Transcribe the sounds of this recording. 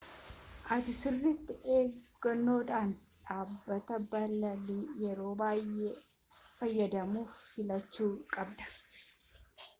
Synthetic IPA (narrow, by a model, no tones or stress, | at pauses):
ʔɐt̪ɪsɪrːɪt̪ːɪʔe̞ːɡ̥ːɐnːo̞ːᶑ̪aːnᶑaːbːɐt̪ɐbɐlɐlijɛɾo̞ːbaːjeː | fɐjːɐd̪ɐmuːffɪlɐt͡ʃːuːkʼɐbd̪ɐ̥